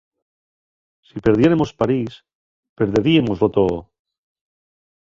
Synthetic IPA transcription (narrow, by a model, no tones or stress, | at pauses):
sipe̞ɾðje̞ɾemo̞spaɾis | pe̞ɾðe̞ɾiemozlot̪oo